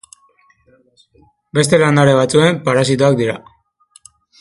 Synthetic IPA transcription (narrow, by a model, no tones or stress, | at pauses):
be̞st̪e̞land̪aɾe̞β̞at͡sue̞mpaɾasit̪oak̚d̪iɾa̰